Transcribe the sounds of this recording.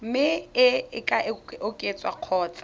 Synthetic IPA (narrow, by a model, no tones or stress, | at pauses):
m̩mɪɪɪkʼaʔɪʊkʼet͡sʼwa̰q͡χʰɔːt͡sḁ